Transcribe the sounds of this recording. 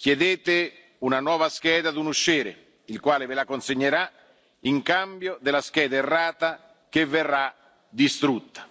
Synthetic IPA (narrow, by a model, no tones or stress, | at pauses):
k̟jɛd̪eːt̪ɪ | unanwɔːvask̟ɛːd̪ad̪unuʃːiːɾḛ | ilkwaːlɪvɪlakonseɲːeɾa | iŋkambjod̪ɪlask̟ɛːd̪aerːaːt̪a | kevːɛrːa | d̪ist̪ɾut̪ːḁ